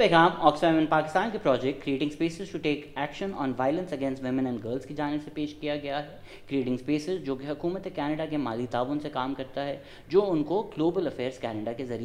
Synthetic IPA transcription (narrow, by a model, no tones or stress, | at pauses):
eɡãːmɔːksʋɛːmɪ̃npaːkɪst̪ãːnkepɾɔːd͡ʒɛkʈkːɾieːʈɪ̃ŋspeːsɪzʃuʈeːkæːkʃə̃nɔ̰ːnʋaːɪlə̃nsɐɡɛ̃nsʈʋɪmɪ̃nɛ̃ɳɖɡəːɾlzkid͡ʒaːnɪbsepeːʃkijaɡɐjaɦɛ | kɾieːʈɪ̃ŋspeːsɪzd͡ʒoːkiɦɐkuːmət̪ɛkɛːnəɖakemaːlit̪aːʋʊnsekaːmkɐɾt̪aɦɛ | d͡ʒoːʊnkoɡloːbəlɐfɛːɾz̥kɛːnəɖakezɐɾi